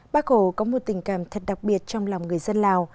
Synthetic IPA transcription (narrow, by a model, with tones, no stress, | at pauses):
ɓaː˦˥k̚ho˧˩kɔ˨˦mo˨˩t̚t̪ï˨˩ŋ̟kaː˧˩mt̪ʰə˨˩t̚ɗa˨˩k̚ɓi˨˩ət̚t͡ɕɔ˧wŋ͡mla˨˩wŋ͡mŋɨ˨˩əjzə˧nlaː˨˩w